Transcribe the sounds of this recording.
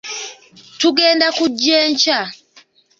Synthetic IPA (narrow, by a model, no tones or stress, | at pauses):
tuɡɛndakud͡ʒɛɲt͡ʃa